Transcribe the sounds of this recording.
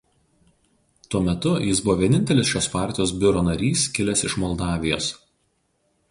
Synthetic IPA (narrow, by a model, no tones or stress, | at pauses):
t̪uɔmʲɛt̪ʊjɪsbʊʋoːʋʲiɛnʲɪnʲt̪ʲɛlʲɪsʃʲoːspɑˑɾʲt̪ʲɪjoːs̬bʲʊɾoːnɐɾʲiːskʲɪlʲɛsɪʃmɔlˠd̪ɑːʋʲɪjoːs